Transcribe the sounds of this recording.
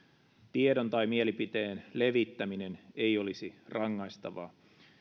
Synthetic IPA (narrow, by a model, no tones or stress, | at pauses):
t̪iedont̪ɑjmielipit̪e̞ːnle̞ʋit̪ːæmine̞nejo̞lisirɑŋːɑjst̪ɑʋɑ̰ː